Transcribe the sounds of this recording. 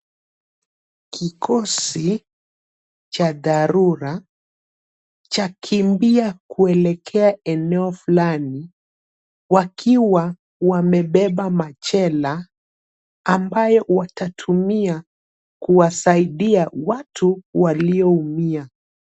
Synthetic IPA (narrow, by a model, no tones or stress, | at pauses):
kikʰɔsi | t͡ʃaðaɾuɾa | t͡ʃakʰimbiakʰuɛlɛkʰɛaɛnɛɔfulani | wakʰiwa | wamɛɓɛɓamat͡ʃɛla | mbajɔwatatʰumia | kuwasaiɗiawatʰuwaliɔumia